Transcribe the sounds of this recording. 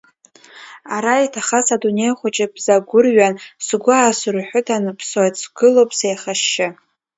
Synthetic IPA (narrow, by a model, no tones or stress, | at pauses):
aɾaitʰaχasadune̞jχʷat͡ʃʼɪbzaɡʷʊrɥansɡʷaːsɨrħʷʊtʰanɨpʰswatsʰɡ̥ɨlowpʼsejχaʃːɪ